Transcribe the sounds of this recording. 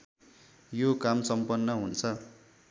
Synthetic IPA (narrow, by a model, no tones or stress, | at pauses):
jokamsʌmpʌnːʌɦunt͡sʰʌ